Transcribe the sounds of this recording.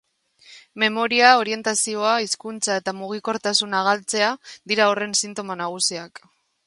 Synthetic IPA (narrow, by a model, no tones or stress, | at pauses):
me̞mo̞ɾiao̞ɾie̞nt̪asio̞aiskunt͡sae̞t̪amuɣ̞iko̞ɾt̪asunaɣalt͡se̞aðiɾaore̞nsint̪o̞manaɣ̞usiak